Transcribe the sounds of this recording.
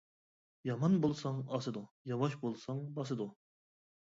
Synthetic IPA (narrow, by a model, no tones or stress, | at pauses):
jɑmɑnbolˠsɑŋɑsɨd̪u | jɑwɑʃbolˠsɑŋbɑs̬ɨd̪u